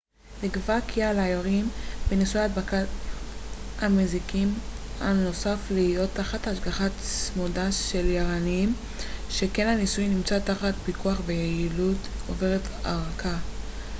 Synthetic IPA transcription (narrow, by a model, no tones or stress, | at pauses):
liɡvakʰialajaʁimbenisujat̚baka | amezikima̰no̞safliijo̞tːaχataaʃɡaχasmodaʃe̞ljaʁaniim | ʃe̞kenanisujnimt͡sataχat̚pikuaχvejeiludove̞ʁet | a̰ʁakʰa